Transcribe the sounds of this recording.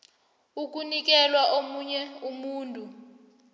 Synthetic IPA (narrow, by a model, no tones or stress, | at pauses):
uk̬ʼunik̬ʼɛlwaʔomuɲɛumuːntʼu